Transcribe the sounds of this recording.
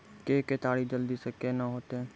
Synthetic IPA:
keːket̪aːɽid͡ʒəld̪isəkeːnaɦoːt̪e

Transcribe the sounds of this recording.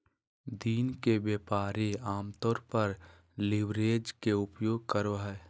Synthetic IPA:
d̪iːnkebjeːpaːɾeaːmt̪ɔːɾpəɾ | lɪʋɾeːd͡ʒkeʊpjoːɡ̚kəɾoɦɛː

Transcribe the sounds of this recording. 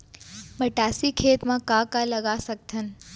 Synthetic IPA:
məʈaːsikʰeːt̪mãkakaləɡasək̚t̪ʰən

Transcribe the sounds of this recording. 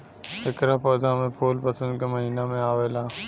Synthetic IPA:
ɦɪkɾapəːd̪amẽpʰoːlpɐsə̃nd̪ɡəməɦiːnamẽaːʋeːlaː

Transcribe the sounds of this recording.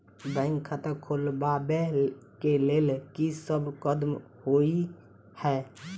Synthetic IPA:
bə̃ɪŋɡkʰət̪əkʰolbabekeleːlkisəbʱkəd̪m | hoi | hɛ

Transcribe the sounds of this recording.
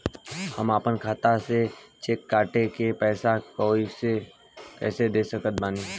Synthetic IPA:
həmaːpənkʰaːt̪aset͡ʃeːkːaːʈekepɛːsakoise | kɛ̰ːsed̪eːsəkət̪̚baːniː

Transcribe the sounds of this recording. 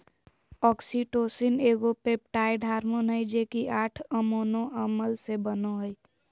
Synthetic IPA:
ɔːksiʈoːsineːɡopep̚ʈaːjɖʱaːɾmonəid͡ʒeːkiʔaːʈʰəmoːnõʔəməlsebənoɦəi

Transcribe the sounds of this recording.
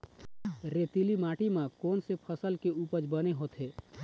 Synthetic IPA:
ɾet̪ilimaːʈimãkoːnsepʰəsəlkeuːpəd͡ʒbəneɦoːt̪ɦeː

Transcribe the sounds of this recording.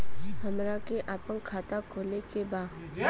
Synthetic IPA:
həmɾakeʔaːpənkʰaːt̪akʰoːlekebaː

